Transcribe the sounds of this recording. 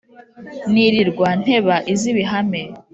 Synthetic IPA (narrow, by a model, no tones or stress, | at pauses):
niɾiɾɡwan̥he̞βaʔiziβiɦame̞